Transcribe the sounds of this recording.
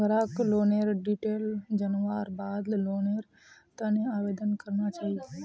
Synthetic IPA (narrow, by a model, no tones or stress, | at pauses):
ɾaːkloːneɾɖiːʈeːld͡ʒənʋaːɾbaːd̪loːneɾ | t̪ənẽaːʋeːd̪ənkəɾnat͡ʃaːɦi